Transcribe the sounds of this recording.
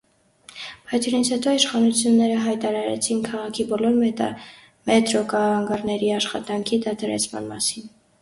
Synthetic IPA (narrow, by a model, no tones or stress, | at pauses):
bɑjt͡sʰuɾint͡sʰhɛt̪ɔiʃχɑnut͡sʰjunːɛɾəɦɑjt̪ɑɾɑɾɛ̰t͡sʰinkʰɑʁɑkʰibɔlɔɾ | mɛt̪ɾɔkɑɑŋɡɑɾnɛɾiɑʃχɑt̪ɑŋkʰid̪ɑt̪ʰɑɾɛ̰t͡sʰmɑ̰nmɑ̰sin